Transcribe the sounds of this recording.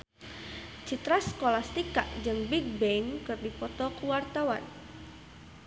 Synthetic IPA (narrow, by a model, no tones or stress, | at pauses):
t͡ʃit̪ɾaskolast̪ikaʔd͡ʒɨŋbiɡ̚bɛŋkɨrdipɔt̪ɔkuwart̪awa̰n